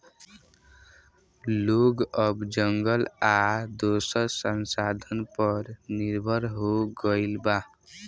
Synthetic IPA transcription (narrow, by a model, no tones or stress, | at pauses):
loɡʌbd͡ʒʌŋɡʌlad̪osʌɾsʌnsad̪ʱʌnpʌɾniɾbʱʌɾɦoɡʌɪlba